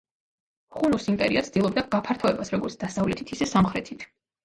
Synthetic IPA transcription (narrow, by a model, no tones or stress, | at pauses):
χunusimp̪ʼɛɾiat̪sd̪ilˠɔb̚d̪aɡapʰaɾt̪ʰɔɛbasɾɔɡɔɾt̪sʰd̪̥asavlɛt̪ʰit̪ʰisɛsamχɾɛt̪ʰit̪ʰ